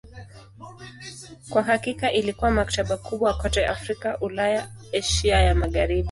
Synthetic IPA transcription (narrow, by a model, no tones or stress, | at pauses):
kwaɦakikaʔilikuwamak̚taɓakʰuɓwakɔtɛʔafɾikaʔulajaɛʃiajamaɠaɾiɓu